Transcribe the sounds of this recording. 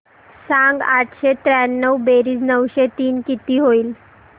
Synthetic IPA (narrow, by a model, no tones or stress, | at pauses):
sãŋɡaʈʰɕet̪ɾɛnːəwbeɾiːsnəwɕet̪iːnkit̪iːɦoiːl